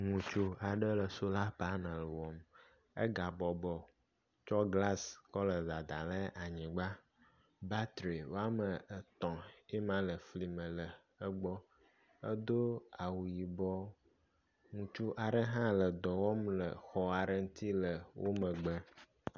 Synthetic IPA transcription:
ŋũ˨t͡ʃu˦a˨ɖə˦lə˨so˦la˦pa˦nã˨lwɔ˨m | ə̰˦ɡa˨bɔ˨bɔ˨ | t͡ʃɔ˦ɡla˦skɔ˦lə˨za˨d̪a˨lə˦ʔa˨ɲĩ˨ɡ͡ba˦ | ba˦t̪ɾi˨wo˦a˦mə˨ə˨t̪ɔ̃˨jɛ˦mã˦lə˨fli˨mə̃˨lə˨ | ə˦ɡ͡bɔ˦ | ə˦d̪o˦a˨wu˨ji˨bɔ˦ | ŋũ˨t͡ʃu˦ʔa˨ɖə˦ɦã˦lə˨d̪ɔ˨wɔ˦mlə˨xɔ˦a˨ɖə˦ŋu˦t̪i˦lə˨wʔo˦mə̃˨ɡ͡bə˦

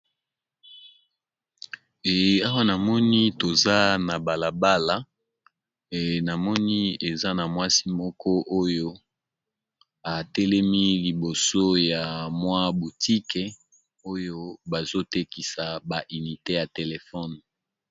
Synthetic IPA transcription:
ɛ˨a˦wa˦na˨mɔ˦ni˦to˨za˦na˨ba˨la˨ba˦la˦˨ | na˨mɔ˦ni˦e˨za˦na˨mwa˦si˦mɔ˦kʰɔ˦ʔo˦jo˦ | a˨tɛ˦lɛ˦mi˦li˨bo˨so˦ja˨mwa˦bu˨ti˦kɛ˨ | o˦jo˦ba˨zo˦te˦ki˨sa˨ba˨ʔi˨ni˨te˦ja˨te˨le˨fɔ˦n

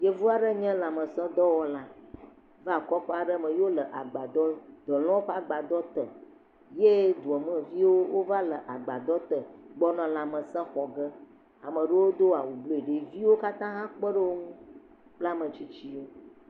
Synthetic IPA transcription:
je˦vu˦a˨ɖə˦ɲɛ̃˦la˨mə̃˨sɛ̃˦d̪ɔ˦wɔ˦la˦ | va˨kɔ˦kɔ˦a˨ɖə˦˨mə̃˨jwo˦lə˨ʔa˨ɡ͡ba˨d̪ɔ˦d̪ə˨lɔ̃˦wo˦ɸa˨ɡ͡ba˨d̪ɔ˦t̪ə˨ | je˦d̪u˨ɔ˨mə̃˦˨vi˦wo˦wo˦va˦lə˨ʔa˨ɡ͡b̪a˨d̪ɔ˦t̪ə˨ɡ͡bɔ˦nɔ̃˦la˨mə̃˨sɛ̃˦xɔ˨ɡə˦ | a̰˨mə̃˨ɖə˦wo˦d̪o˦a˨wu˨blo˦e˨ɖe˨vi˦wo˦ka˦t̪ã˦ɦã˦k͡pə˦ɖə˦wo˦ŋũ˦ | k͡pla˦mə̃˨t͡ɕi˦t͡ʃi˦o˦

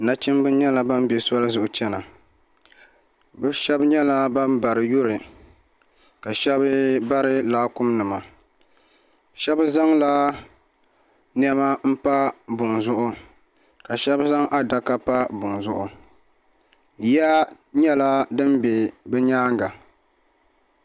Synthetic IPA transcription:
na˦t͡ʃɪ˦mbɨ˦ɲɛ˦la˨ba˦m˦be˨sɔ˦lɨ˦zʊ˨ʔʊ˨t͡ʃɛ˦na˨ | bɛ˦ʃɛ˦bɲɛ˦la˦ba˦mba˨ɾɨ˨ju˦ɾɨ˨ | ka˨ʃɛ˦bba˦ɾɪ˦laː˦kʊ˦mnɨ˨ma˨ | ʃɛ˦bza˦ŋla˦ | n˦ɛ˦ma˦m̩˦pa˦bʊ˨ŋzʊ˦ʔʊ˦ | ka˨ʃɛ˦bza˦ŋʔa˦da˨ka˦pa˦bʊ˨ŋzʊ˦ʔʊ˨ | ja˦ | ɲɛ˦la˦dɨ˦m˦be˨bɨ˦ɲaː˦ŋɡa˨

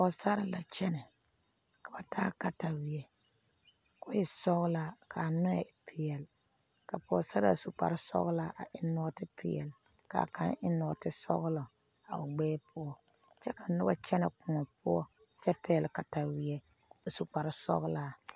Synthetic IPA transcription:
pːsa˦ɾɪ˦la˨t͡ʃɛ˦nɛ˨ | ka˨ba˨taː˦ka˨ta˨wɪ˨jɛ˦ | kʊ˦ɪ˨sɔ˦ɣʊ˦la˦kʰa˨nʊ˦ja̰˨ʔɪ˨pʰɪ˨ɛ˨l | ka˨pɔ˨ɔ˨sa˦ɾa˦a˨su˨k͡pa̰˨ɾɪ˦sɔ̰˦ɣʊ˦la˦ʔa˨ʔɪ˦nɔ˦tɪ˦pɪ̰˨jɛ̰˨l | ka̰˨kã̰˦ŋʔɪ˦nɔ˨tɪ˦sɔ̰˦ɣʊ˦lɔ˨ | a̰˨ʊ˨ɡ͡bɛː˦pʰʊ˦ɔ˦ | t͡ʃɛ˦ka˨nʊ˦ba˦t͡ʃɛ˦nɛ˨kʊ˨ŋɔ˨pʊ˦ɔ˦ | t͡ʃɛ˦pɛ˦ɛ˨lka˨ta˨wɪ˨ɛ˦˨ | su˨k͡pa˨ɾɪ˦sɔ̰˦ɣʊ˦laː˦

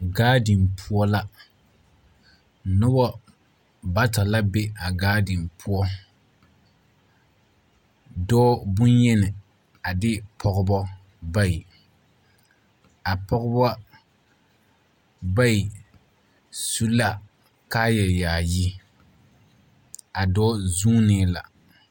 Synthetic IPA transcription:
ɡaː˦di˨mpʰu˦ɔ˦la˦ | nʊ˦bɔ˦ | ba˦ta˨la˦be˦a˨ɡaː˦di˨npʰʊ˦ɔ˦ | dɔː˦bʊ˦njɛ˦nɪ˨ | a˨dɪ˦pʰɔ˨ɣʊ˦bɔ˦ | ba˦i˨ | a˨pɔ˦ɣʊ˦bɔ˦ | ba˦i˨ | su˦la˦ | kaː˦jɛ˨jaː˨ji˦ | a˨dɔː˦zuː˦nɪ˦la̰˨

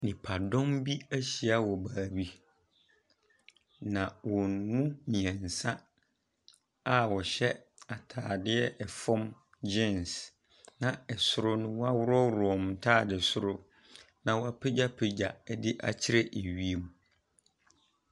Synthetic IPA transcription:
nɪ̃˨pʰa˨dɔ̃˦mbi˦æ˦ɕi˨a˦wɔ˨baː˨bi˦ | nã˨wɔ˨n˨nũ˦nĩ˨ɛ̃˨n˨sã˦ | a˦wɔ˨ɕɛ˦ | a˨tʰaː˨dɪ˦ɛ˦ʔɛ˨fɔ̃˦m | d͡ʑĩ˦˨ns | nã˨ɛ˨sʊ˦ɾʊ˦nʊ̃˦wa˦wʊ˦ɾɔ˦ɾɔ˨m˨tʰaː˦˨dɪ˨sʊ˦ɾʊ˦ | nã˨wɔ˦a˨pʰe˦d͡ʑa˦pʰe˨d͡ʑa˨ɛ˦dɪ˦ʔa̰˦t͡ɕʰɪ˦ɾɛ˦ʔe˨ɥi˦e˨mũ˨

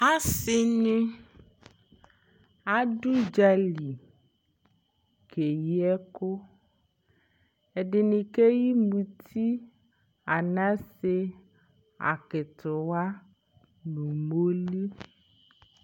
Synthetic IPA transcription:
a˦sɪ˦nẽ˦ | a˦ɖu˦d͡ʒa˦li˨ | kʰe˨ji˦ɛ˦ko˦ | e˨ɖɪ˨ni˨ke˦ji˦mũ˨t̪ʰi˦ | a˨nã˦se˦ | a̰˨ke˨t̪ʊ˨wa˦ | nũ˨mo˦li˦

